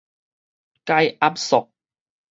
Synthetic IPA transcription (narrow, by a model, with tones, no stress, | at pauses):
ka˧˥jʔa˦˥p̚sʊ˨k̚